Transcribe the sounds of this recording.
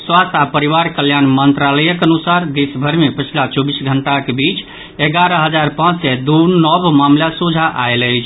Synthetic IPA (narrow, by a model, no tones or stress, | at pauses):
swast̪ʰapəɾiʋaɾkəljanmənt̪ɾaləjəkənusaɾd̪esbʱəɾmepət͡ʃʰilat͡ʃɔbisɡʱəɳʈakebit͡ʃ | eɡaɾəɦəd͡ʒaɾpãt͡ʃsɛd̪unɔbmamljasud͡ʒʱaʔaeləɪt͡ʃʰ